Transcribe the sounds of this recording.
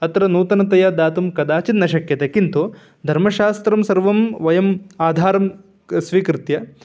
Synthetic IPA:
ɐt̪ɐɾɐnuːt̪ɐnɐt̪ɐjad̪aːt̪umkɐd̪aːt͡ʃinːɐʃɐkjɐt̪ɐkint̪u | d̪ʱɐɾmɐʃaːst̪ɾɐmsɐɾʋɐmʋɐjɐmaːd̪ʱaːɾɐm | sʋiːkɾɪt̪jɐ

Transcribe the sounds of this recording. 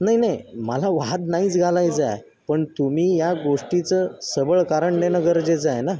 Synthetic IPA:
naɦinajməlaʋad̪naiːt͡sɡʱalajd͡zaj | pəɳt̪umiːjaɡoʂʈit͡səsəbəɭkaɾəɳnenəɡəɾd͡ʑed͡zajna

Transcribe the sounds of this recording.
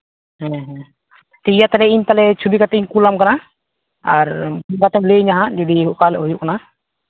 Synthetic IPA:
ɦɛ̃ɦɛ̃ | t̪ɛijat̪alɛiɲt̪alɛt͡ʃʰubikat̪ɛiɲkulamkana | aɾuŋɡat̪ɛmleiɲaɦãʔd͡ʒɔɖiɦuʔkalɛɦujuʔ̚kana

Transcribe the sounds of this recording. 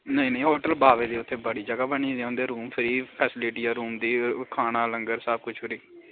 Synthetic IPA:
nəĩːnə̃ĩːɦoːʈəlbaːʋeːd̪iːʊt̪ʰːeːbəɽiːd͡ʒəɡaːbəɳ̃iːd̪eãːnd̪eːɾuːmpʰɪɾiːpʰɛːsɪlɪʈiːaːɾuːmd̪iːkʰaːnaːləŋɡəɾsəb̚kʊt͡ʃʰʊɾiː

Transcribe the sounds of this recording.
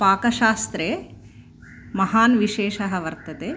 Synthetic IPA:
paːkɐʃaːst̪ɾe | mɐɦaːnʋiʃeːʃɐɦɐʋɐɾt̪ɐt̪e

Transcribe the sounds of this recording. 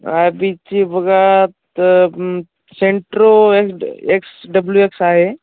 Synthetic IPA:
a̰ːbit͡ʃibɐɡat̪ | seɳʈɾoekseksɖəbljueksaːɦe

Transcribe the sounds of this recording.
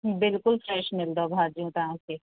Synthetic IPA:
bɪlkʊlfɾɛːʃmɪld̪obʱaːd͡ʒijõt̪ɐɦãke

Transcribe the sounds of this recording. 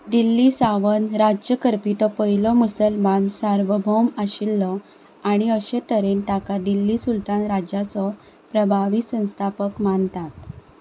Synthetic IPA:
d̪ilːisaʋənɾad͡ʑjəkəɾpit̪ɔpəɦilɔmusəlmansaɾʋəbʱɔmaɕilːɔ | aɽ̃iəɕet̪əɾent̪akad̪ilːisult̪anɾad͡ʑat͡sɔ | pɾəbʱaʋisə̃w̃st̪ʰapəkmant̪at̪

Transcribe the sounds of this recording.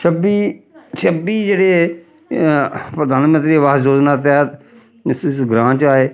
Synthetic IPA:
ʃʰəbiːt͡ʃʰəbiːd͡ʒeːɽeː | pɾəd̪ʱaːnmə̃nt̪ɾiːʋaːzoːznaːt̪̬aːt̪ | sɪsɡɾãːt͡ʃaːeː

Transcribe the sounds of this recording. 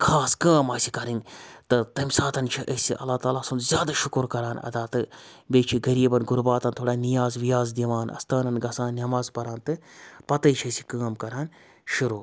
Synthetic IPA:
kʰaːskaːmaːsikɐɾiŋɡt̪ɨt̪ɐmʲsaːt̪ɐnt͡ʃʰiʔɐsḭʔɐ̰lːaːt̪aːlaːsɐnzʲjaːd̪aʃʊkɾkɐɾaːnɐ̰d̪aːt̪ɨbeːt͡ʃʰiɡɐɾiːbɐnɡʊɾbaːt̪ɐnt̪ʰoːɽaːnijaːzʋijaːzd̪iʋaːnɐ̰st̪aːnɐnɡɐsãːnːɐmaːzpɐɾaːnt̪ɨpɐt̪ɐjt͡ʃʰɐsi̥kaːmkɐɾaːn | ʃuɾoː

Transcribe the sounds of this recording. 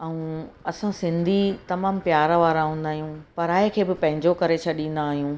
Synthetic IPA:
ɐũɐsãsɪ̃nd̪ʱit̪ɐmaːmpjaːɾʋaːɾaɦũːnd̪aːɦijũpɐɾaːekʰeːbɪpɐ̃ɦɪ̃ɲd͡ʑokɐɾet͡ɕʰɐɗĩːn̆d̪aːɦijũ

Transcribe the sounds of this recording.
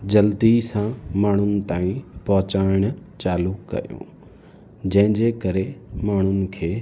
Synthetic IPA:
d͡ʑɐld̪isãmaːɳ̤ʊnɪ̆t̪aːĩpɔɦʊt͡ɕaːɪɽ̃ʊt͡ɕaːlʊkkːɐ̰jṵ̃ː | d͡ʑɐ̃ɦɪ̃ɲd͡ʑekɐɾemaːɳ̤ʊnɪ̆kʰeː

